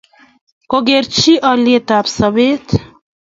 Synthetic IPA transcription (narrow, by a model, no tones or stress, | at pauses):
koɡeɾt͡ʃʰiʔaːljet̪aːpsɐbeːt̪